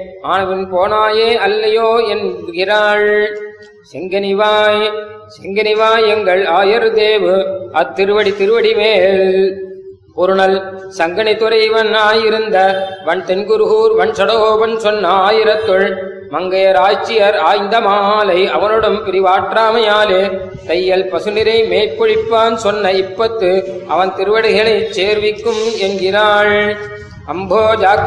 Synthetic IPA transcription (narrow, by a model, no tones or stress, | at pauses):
aːnɐʋɪnpoːnaːjeːɐlːɐjoːɛnbkɪɾaːɭ | sɛŋɡɐnɪʋaːj | sɛŋɡɐnɪʋaːjɛŋɡɐɭaːjɐɾd̪eːʋɯʔɐt̪ːɪɾɯʋɐɽit̪ɪɾɯʋɐɽimeːl | pɔɾɯnɐl | sɐŋɡɐnɪt̪ʊɾɐɪʋɐnaːjɪɾɯnd̪ɐʋɐɳt̪ɛnɡɯɾɣuːɾʋɐɳsɐɽɐoːʋɐnsɔnːɐaːjɪɾɐt̪ːɯɭ | mɐŋɡɐjɐɾaːjt͡ʃːɪjɐɾaːjnd̪ɐmaːaːlɐɪɐʋɐnɯɽɐmpɪɾɪʋaːʈraːmɐjaːlɯ | t̪ɐjːɐlpɐsɯnɪɾɐɪmeːpːɔɻɪpːaːnsɔnːɐɪpːɐt̪ːɯʔɐʋɐnt̪ɪɾɯʋɐɽɪɣɐɭɐɪt͡ʃːeːɾʋɪkːɯmɛnɡɪraːɻ | ɐmbʱoːd͡ʒaː